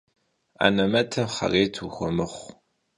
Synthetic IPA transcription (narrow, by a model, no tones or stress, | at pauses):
a̰nɐmɐtʰɐmχɐ̰reːtʰuxʷɔmɨχʷ